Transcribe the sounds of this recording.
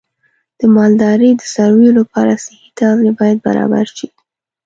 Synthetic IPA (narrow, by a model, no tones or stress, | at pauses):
d̪̥əmɑld̪ɑɾəd̪əsaɾwejolapɑɾasɪhit̪ɑnebɑjad̪̚ba̰ɾɑ̰ba̰ɾʃi